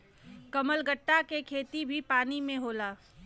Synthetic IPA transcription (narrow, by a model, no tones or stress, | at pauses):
kəməlɡəʈːakekʰeːt̪ibʱipaːnimẽɦoːlaː